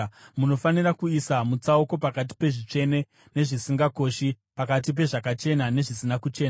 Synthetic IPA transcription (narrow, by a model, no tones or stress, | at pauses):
muno̞fanirakuisamut͡saoko̞pakat̬i̥pe̞ʐit͡ʂe̞ne̞ | ne̞ʐisiŋɡako̞ʃi | pakat̬ip̬e̞ʐakat͡ʃe̞nane̞ʐisinakut͡ʃe̞ːnaa